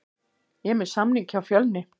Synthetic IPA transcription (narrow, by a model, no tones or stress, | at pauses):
jɛmɛsamlɪŋkʰawfjœlnɪ